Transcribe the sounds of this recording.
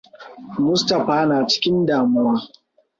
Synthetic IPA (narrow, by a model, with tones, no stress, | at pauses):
mʊ˦stɐ˨ɸaː˦naː˨t͡ʃɪ̥˦kʲɪ˦ndaː˨mʊ˦waː˦